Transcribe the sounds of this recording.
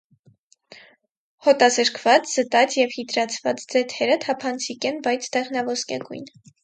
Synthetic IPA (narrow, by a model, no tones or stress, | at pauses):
hɔt̪ɑzəɾkʰvɑt͡sz̥ət̪ɑt͡sjɛvhit̪ɾɑt͡sʰvɑt͡sd͡zɛt̪ʰɛɾət̪ʰɑpʰɑnt͡sʰikɛnbɑjt͡sʰd̪ɛʁnɑvɔskɛ̰ɡṵjn